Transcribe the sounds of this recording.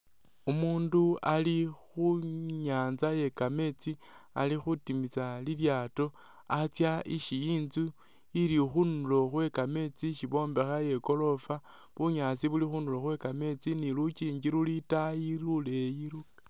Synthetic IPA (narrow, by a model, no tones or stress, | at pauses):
umuːndualixuɲaːnzaje̞kame̞t͡si | a̰lixutimit͡saliljaːto̞ | at͡sjaiʃijiːnzu | ilixunulo̞xwe̞kame̞t͡siʃiβo̞ːmbe̞xaje̞ko̞lo̞fa | βuɲaːt͡siβulixunulo̞xwe̞kame̞t͡sinilut͡ʃiːɲd͡ʒiɾulitajiɾulejiɾu